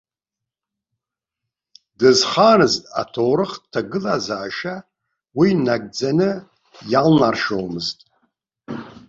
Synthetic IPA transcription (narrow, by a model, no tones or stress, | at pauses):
dɨzχanɨztʼa̰tʰowɾɨχtʰaɡɨlazaːʃa | winaɡ̚d͡zanɨ | jalnarʂowmɨztʼ